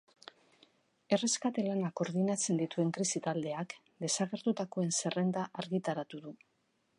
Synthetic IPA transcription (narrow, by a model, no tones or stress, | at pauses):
e̞re̞skat̪e̞lanako̞ɾðinat͡se̞nd̪it̪ue̞ŋkɾisit̪ald̪e̞ak | d̪e̞saɣ̞e̞ɾt̪ut̪ako̞e̞nse̞re̞nd̪aʔaɾɣit̪aɾat̪uðu